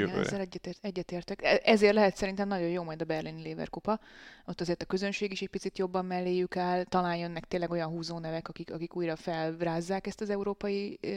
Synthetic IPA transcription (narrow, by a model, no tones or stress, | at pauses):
ɛnɛ̰zːɛlɛːɛt̪eɛɟːɛt̪eːrt̪ɛkɛɛzeːrt̪lɛɦɛt̪sɛɾint̪ɛmnɒɟo̞joːmɒjd̪ɒbɛrlinileːvɛ̰rkopɒo̞t̪ːɒzeːrt̪ɒkø̞zønʃeːɡiʃɛc̚pit̪sit̪jo̞bːɒmːɛlːeːjykaːlt̪ɒlaːjjːonːɛk̚t̪eːnlɛɡo̞jɒnɦuːzoːnɛvɛkɒkikɒkikuːjrɒfɛlraːzːaːkɛst̪ɒzɛuɾoːpɒji